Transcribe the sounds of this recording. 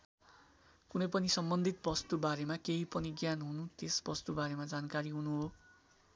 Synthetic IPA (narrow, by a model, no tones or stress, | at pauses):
kunʌjpʌnisʌmbʌnd̪ʱit̪̚bʌst̪ubaɾemakeɦipʌniɡjanɦunut̪esbʌst̪ubaɾemad͡zankaɾiɦunuɦo